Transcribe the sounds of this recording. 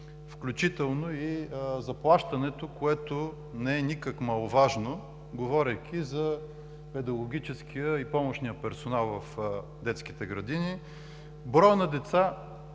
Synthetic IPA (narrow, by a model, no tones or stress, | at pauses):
fklʲʊt͡ʃit̪ɛlˠnoizɐplˠaʃt̪ɐnɛt̪okoɛt̪o | nɛɛnʲikəkmɐlˠovaʒno | ɡovɔɾʲɐjk̟ʲizɐ | pɛd̪ɐɡʊɡʲit͡ʃɛskʰijəipɔmoʃnijəpɛɾsonalˠvɐf | d̪ɛt̪skit̪ɛɡɾɐd̪ini | bɾɔjnɐd̪ɛt̪sa